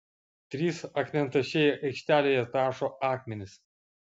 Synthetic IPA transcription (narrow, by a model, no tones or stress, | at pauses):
t̪ʲɾʲiːsɐkmʲɛnt̪ɐʃʲeːjɛʔɐɪkʃʲt̪ʲæːlʲeːjɛt̪ɑːʃoːʔɑːkmʲɛnʲɪs